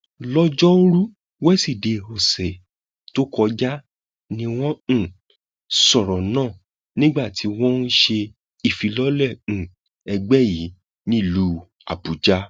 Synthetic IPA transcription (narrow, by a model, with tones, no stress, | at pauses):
lɔ˦d͡ʒɔ˦o˦ɾu˦ | wɛ˦si˦˨de˨ho˨sɛ˨ | to˦kɔ˧d͡ʒa˦ | nĩ˧w̃ɔ̃˦˨ | sɔ˦˨ɾɔ˨nãː˦˨ | nĩ˦ɡ͡ba˦˨tʰi˨˦w̃ɔ̃˦n̩˦ʃe˧ | i˦˨fi˨˧lɔ˦lɛ̃˦˨ | ɛ˧ɡ͡bɛ˦ji˨˦ | nĩ˦i˦˨lu˨˦ | a̰˨bu˨d͡ʒa˦